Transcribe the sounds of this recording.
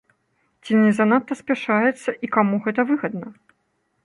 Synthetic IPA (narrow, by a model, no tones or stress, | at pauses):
t͡sʲinʲɛzanat̪ːɐsʲpʲɛʂajɛt̪sːɐʔikamuɣɛt̪ɐvɨɣɐd̪̚nɐ